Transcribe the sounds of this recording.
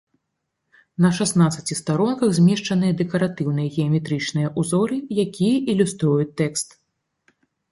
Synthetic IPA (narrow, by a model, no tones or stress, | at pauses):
nɐʂasnat̪sɐt͡sʲist̪aɾɔnkɐɣzʲmʲɛʂt͡ʂɐnɨjɐd̪ɛkɐɾat̪ɨwnɨjɐɣʲɛɐmʲɛt̪ɾɨt͡ʂnɨjɐʔuzɔɾɨjakʲijɐʔilʲust̪ɾujut͡sʲt̪ːɛkst̪